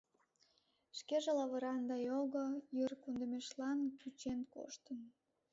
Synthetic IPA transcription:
ʃkeʒelɑβəɾɑnd̪ɑjoɣojərkund̪ə̆meʃlɑnkyt͡ɕenko̰ʃt̪ən

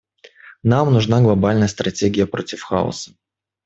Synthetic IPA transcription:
namnʊʐnaɡlˠɐbalʲnəjəst̪ɾʔɐtʲeɡʲɪjəpɾo̞tʲɪfxa̰ʊ̰sə̥

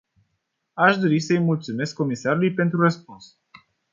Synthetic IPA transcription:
aʃd̪o̞ɾisəjmult̪sume̞skːo̞misaɾulujpe̞nt̪ɾurəspuns

